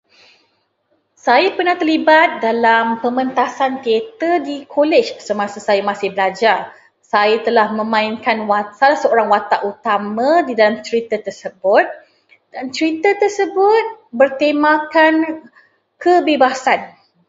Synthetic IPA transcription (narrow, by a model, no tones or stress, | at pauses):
sajapərnaht̪ərlibat̪̚dalampəmə̃nt̪asant̪iet̪ədikʰolɛt͡ʃsəmãsəsajamasɪhbəlad͡ʒar | sajat̪əlahmə̃mãinkanwasalahsəoɾaŋwat̪aʔut̪amãdidalamt͡ʃəɾit̪ət̪ərsəbʊt̪̚ | d̥ant͡ʃəɾit̪ət̪ərsəbʊt̪̚bərt̪emakan | kʰəbebasan